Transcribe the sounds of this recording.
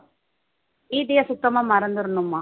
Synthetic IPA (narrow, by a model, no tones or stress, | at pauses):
iːd̪ijɐsuk̚t̪ːɐmɐmɐɾɐnd̪uɾnumːa